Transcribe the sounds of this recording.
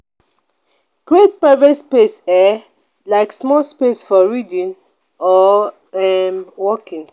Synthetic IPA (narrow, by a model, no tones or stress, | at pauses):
ɡ̥ɹet̚pɹaɪvɔtspesa | laɪksmɔlspesfɔɹidĩn | ɔ | ɛmwɔkĩŋ